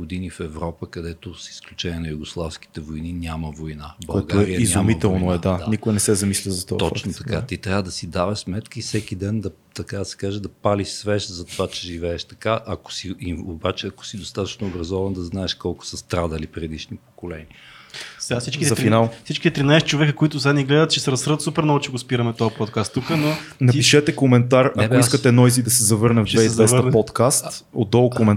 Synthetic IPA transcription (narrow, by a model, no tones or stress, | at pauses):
ɡʊd̪inifɛvɾɔpəkɐd̪ɛt̪osi̥sklʲut͡ʃɛniɛnɐjuɡoslˠafsk̟i̥t̪ɛvojninʲaməvojnabɐoɛɡ̪aoɛɾijəizʲʊmit̪ɛlˠnoɛd̪ad̪anikʊjnɛsɛzɐmislʲəzɐt̪ɔ̰t̪ɔt͡ʃnot̪ɐ̥kat̪it̪ɾʲavəd̪ɐsid̪avəʃsmɛt̪kəifsɛkid̪ɛnd̪ɐ | t̪ɐkad̪ɐsɛ̥kaʒɛd̪ɐpaliʃsvɛʃzɐt̪ovat͡ʃɛʒivɛːʃt̪ɐkaʔɐko̥siiobat͡ʃɛɐko̥sid̪ost̪at̪ə̥t͡ʃnoobɾɐzɔvɐnd̪ɐznaɛʃkɔlˠkʊ̥səst̪ɾad̪əlipɾɛd̪iʃnipo̥kolɛ̰niə | sɛasit͡ʃkizɐfinalˠsit͡ʃkit̪ɛt̪ɾinaɛst͡ʃovɛkəkoit̪ʊzaniɡlɛd̪ət̪̚t͡ʃɛsɛɾɐsɾət̪supɛɾnɔɡot͡ʃɛɡospiɾɐmɛt̪ɔɐpɔt̪̚kast̪ːukənonɐpiʃɛt̪ɛkomɛnt̪aɾɐkoiskət̪ɛnɔjzid̪ɐsɛzɐvɤɾnəvvɛizd̪vɛspɔt̪kast̪o̰d̪ːɔlˠkomɛn